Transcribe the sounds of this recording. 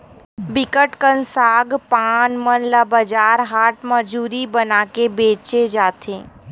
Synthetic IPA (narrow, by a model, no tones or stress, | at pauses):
bɪkəʈkənsaːɡpaːnmənləbəd͡ʒaːɾɦaːʈməd͡ʒuːɾibənaːkebeːt͡ʃed͡ʒaːt̪ʰẽː